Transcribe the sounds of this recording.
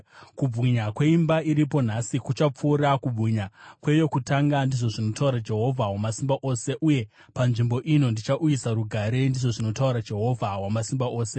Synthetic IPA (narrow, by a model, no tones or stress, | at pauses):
kub͡vʱiɲakwe̞imbaiɾipo̞n̤asikut͡ʃap͡fuːɾakub͡vʱiɲakwe̞jo̞kutaŋɡandiʐo̞ʐino̞tauɾad͡ʒe̞ɦo̞vʱawamasimbaʔoːse̞ʔuje̞ | panʐimbo̞ʔino̞ndit͡ʃaʔujisaɾuɡʱaɾe̞ndiʐo̞ʐino̞tauɾad͡ʒe̞ɦo̞vʱawamasimbaʔo̞ːse̞